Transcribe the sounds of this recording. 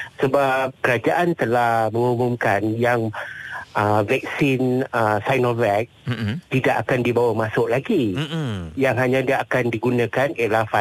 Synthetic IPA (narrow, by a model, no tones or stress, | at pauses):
səbap̚kəɾad͡ʒaʔant̪əlahmə̃ŋumʊmkanjaŋʔəvɛk̚sɪnəsajnɔvɛk̚t̪idaʔakandibawamasʊʔlaɡi | jaŋɦaɲãdiaakandiɡunãkaniəlahfa